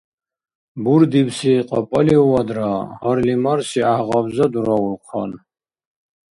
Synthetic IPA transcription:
buɾd̪ibsiqʼɔpʼɔliuwad̪ɾahɔɾlimaɾsiahʁabzad̪uɾɔulqʰɔ̰n

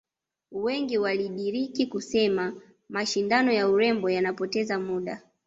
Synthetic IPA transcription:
wɛŋɡiwaliɗiɾikikusɛma | maʃindanɔjauɾɛmbɔjanapɔtɛzamuɗa

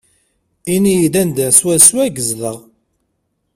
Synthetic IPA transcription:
inijiðænd̪æswæswæɡəzləʁ

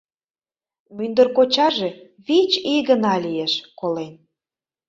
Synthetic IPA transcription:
mynd̪ərkot͡ɕɑʒe | βit͡ɕiɣənɑlʲijeʃkolen

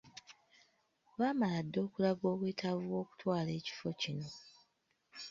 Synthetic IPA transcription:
waːmaladːo̞ːkulaɡo̞ːβweːtʰavuwo̞ːku̥twaːle̞ːci̥fo̞cino̞

